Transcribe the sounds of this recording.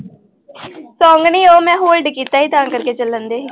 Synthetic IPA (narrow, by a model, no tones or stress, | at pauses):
sɔ̃ːŋɡɳiːoːmɛ̃ːɦoːlɖkiːt̪aːiːt̪ãːkəɾkeːt͡ʃələnd̪eː